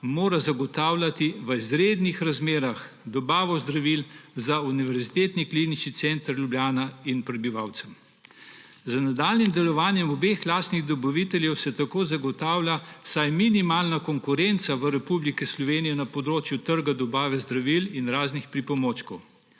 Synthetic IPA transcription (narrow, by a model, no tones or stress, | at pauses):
moːɾazaɡɔt̪aːwlʲat̪iʋəizɾeːd̪nixɾazmeːɾax | d̪ɔbaːʋɔzd̪ɾaʋilzauniʋɛɾzit̪eːt̪niklinit͡ʃnit̪sɛnt̪əɾljublʲjaːnainpɾɛbiʋawt̪sɛm | zanad̪aːlnimd̪ɛlɔʋaːnjɛmɔbeːxlaːst̪niɣd̪ɔbaʋit̪ɛljɛwsɛt̪akoːzaɡɔt̪aːwlʲasajminimaːlnakɔŋkʊɾɛnt̪saʋəɾɛpublikɛslɔʋeːnijɛnapɔd̪ɾoːt͡ʃjut̪əɾɡad̪ɔbaːʋɛzd̪ɾaʋilinɾaːznixpɾipɔmoːt͡ʃkɔw